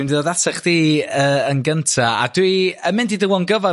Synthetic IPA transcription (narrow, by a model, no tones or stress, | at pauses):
indiɔðatʰɛχðiːəənɡəntʰaa̰dwiəmɪndidɪwɔnɡəva